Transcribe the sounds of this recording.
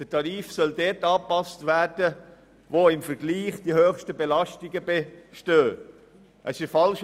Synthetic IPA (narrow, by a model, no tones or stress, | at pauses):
d̥ətʰɑɾiːfsœldɛtɑːpɑstvæːd̥ə | voɪmfəɾɡ̥liːχd̥ihøːχʃtəbelɑʃtɪɡəbeʃtøː | ʔəsɪfɑlʃ